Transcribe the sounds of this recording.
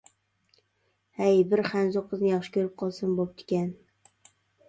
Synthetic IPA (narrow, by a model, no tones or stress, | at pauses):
hajbɪɾχanzoqʰːɨznɪjɒχʃɪ̥kʲʰɵɾɪp̚qʰɒlˠsɪnbop̚t̪ʰɪ̥kʲan